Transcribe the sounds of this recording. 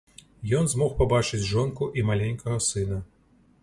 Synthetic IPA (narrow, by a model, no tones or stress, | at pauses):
jɔnzmɔxpabat͡ʂɨd͡zʲʐɔnkuʔimalʲenʲkɐɣɐsɨnɐ